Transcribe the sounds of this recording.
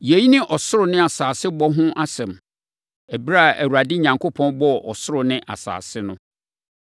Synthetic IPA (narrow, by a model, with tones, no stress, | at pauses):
je˨ji˦nɪ̃˦ʔɔ˨sʊ˦ɾʊ˨nɪ̃˦a˨saː˨sɪ˦bɔ˦ɦʊ̃˦ʔa˦sɛ̃˨m | æ˨bi˦ɾa˦˨æ̰˨wu˨ɾa˨dɪ˦ɲã˨ŋkʰo˦pʰɔ̃˦nbɔ˦˨ʔɔ˨sʊ˦ɾʊ˨nɪ̃˦ʔa̰˨sa̰ː˨sɪ˦nʊ̃˦